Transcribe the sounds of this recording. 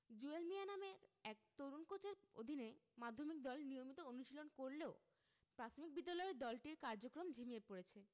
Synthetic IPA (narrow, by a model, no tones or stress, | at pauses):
d͡ʑuelmianameɾɛk̚t̪oɾunkot͡ɕeɾo̰d̪ʱinemad̪ʱːomik̚d̪ɔlnijomit̪oonuʃilonkoɾleo | pɾat̪ʰomik̚bid̪ːalɔeeɾd̪ɔlʈiɾkaɾd͡ʑokɾomd͡ʑʱimiepoɾet͡ɕʰe